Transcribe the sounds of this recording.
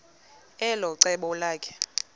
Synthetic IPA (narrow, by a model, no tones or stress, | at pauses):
ɛlɔǀɛɓɔlaːkʰʼɛ̥